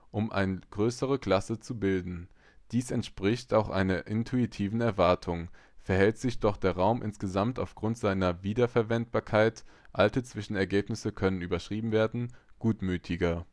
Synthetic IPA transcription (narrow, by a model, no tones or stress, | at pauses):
ʔʊmʔa̰ɪnəɡ̥ʁøːsəʁəkl̥asət͡subɪldn̩ | d̥iːsɛntʃpʁ̥ɪçtaʊxʔa̰ɪnɐʔɪntʰuitʰiːvn̩ɛɐvaɐtʰʊŋ | fɛɐhɛltz̥ɪçd̥ɔχd̥eːɐʁaʊmʔɪ̰nsɡ̥əzamta̰ʊfɡ̥ʁʊntz̥aɪnɐviːdɐfɛɐvɛnt̚b̥aːɐkʰaɪt | ʔaltət͡sv̥ɪʃn̩ɛɐɡeːpnɪsəkʰœnənyːbɐʃʁ̥iːbm̩veːɐdn̩ɡ̥uːtmyːtʰɪɡɐ